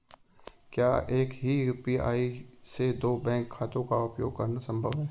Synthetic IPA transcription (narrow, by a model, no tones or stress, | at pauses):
kjaːeːkɦiupia̰ːised̪oːbɛ̃ːŋkʰːaːt̪õkaʊpjo̰ːɡ̚kɐɾnasɐ̃mbʱəʋɦɛː